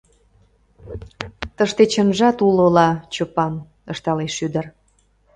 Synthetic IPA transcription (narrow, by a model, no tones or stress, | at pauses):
t̪əʃt̪et͡ɕənʒɑt̪ulolɑt͡ɕəpɑm | əʃt̪ɑleʃyd̪ə̆r